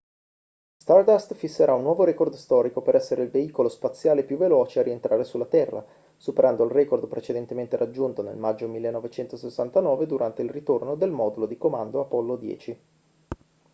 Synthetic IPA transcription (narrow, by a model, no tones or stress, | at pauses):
st̪ard̪ast̪fisːeɾaunːwɔːvoɾɛkord̪st̪ɔːɾikopeɾʔɛsːeɾeilveiːkolospat̪sːjaːlepjuvːelɔːt͡ʃeaɾient̪ɾʔaːɾesulːat̪ɛrːa̰ | supeɾʔand̪oilrɛkord̪pɾet͡ʃed̪ent̪ement̪eɾʔad͡ʒːunt̪onḛlmad͡ʒːomilːenːɔvet͡ʃɛnt̪osesːant̪anɔːved̪uɾʔant̪eilrit̪ornod̪elmɔd̪ulod̪ikoma̰nd̪oapɔlːod̪jɛ̰ːt͡ʃi